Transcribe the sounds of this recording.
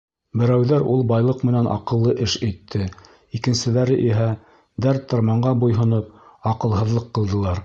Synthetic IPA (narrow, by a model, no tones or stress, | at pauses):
bɘ̆ɾæwðæɾulˠbɑjlˠɤqmɘ̆nænʔɑ̰qɤ̆lˠːɤʔɘʃɘ̆jt̪ʰːɘ | ikɘ̆nsɘ̆læɾɘʔiɦæ | d̪æɾt̪ɤ̆ɾmɑɴɢɑbujɦɤ̆nɤp̚ɑqɤ̆lˠɦɤ̆ðlˠɤqːɤ̆lˠd̪ɤ̆lˠɑɾ